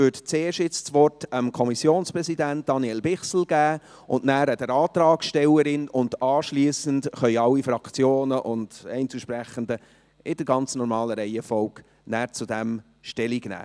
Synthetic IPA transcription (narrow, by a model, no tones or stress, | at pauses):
ʏːtt͡seːʃtɪt͡st͡sʋɔrtəmkʰɔmisjoːnspɾɛsidænt̚d̥ɑniɛlbɪχsl̩ɡ̥æː | ʔʊndnæːɾədəɾɑːt̪ɾɑːkʃtɛləɾɪnʊndɑːʃliəsəntχœʏɑlːifɾɑkt͡sjoːnəʔʊnd̥ɛɪnt͡suʃpɾæχəndə | ʔɪdəɾɡɑnt͡snɔɾmɑːləɾɛɪɛfɔʊk | næːɾt͡sudæm | ʃtɛliɡnæ̰ː